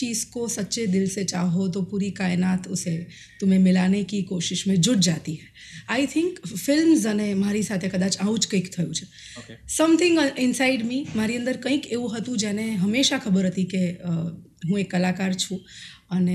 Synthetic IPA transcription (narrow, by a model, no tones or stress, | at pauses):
t͡ʃiːzkosətːʃed̪ɪlset͡ʃaɦot̪opuːɾikaːjnat̪ʊse | t̪ʊmẽmɪlanekikoʃɪʃmẽd͡ʒʊɽd͡ʒat̪iɦɛ | aɪt̪ʰɪ̃ŋkfɪlmzənemaɾisat̪ʰekəd̪aːt͡ʃaũt͡ʃkə̃ɪkt̪ʰəjũt͡ʃʰ | sɐ̃mt̪ʰɪ̃ŋɡɪ̃nsaɪɖmimaːɾiə̃nd̪əɾkə̃ĩkeũɦət̪ũd͡ʒɛneɦəmeʃakʰəbəɾɦət̪ike | ɦũekːəlakaːɾt͡ʃʰũəne